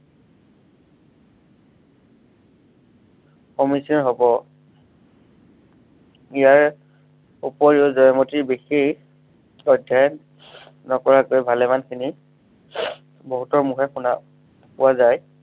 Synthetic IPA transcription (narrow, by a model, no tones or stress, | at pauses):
kɔmisɔnɦɔbɔ | ijaɹ | upɔɹiʊzɔjmotibexi | ɔdʱjaj | nɔkɔɹakojbʱalɛmankʰini | bɔɦutɔɹmuxɛxuna | pʊazaj